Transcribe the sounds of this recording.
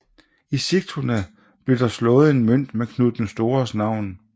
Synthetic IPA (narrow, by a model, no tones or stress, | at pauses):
isiɡ̥̚t͡sʰʁunə | b̥le̝d̥ɑ̈slɔ̽ːð̞̩ˠe̝nmøn̰d̥mekʰnuð̥ˠn̩sd̥o̝ːɐsnɑ̈ʊ̰n